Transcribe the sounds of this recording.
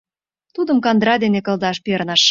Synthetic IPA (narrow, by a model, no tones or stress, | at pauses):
t̪ud̪əmkɑnd̪ɾɑd̪enekə̆ld̪ɑʃpernɑʃ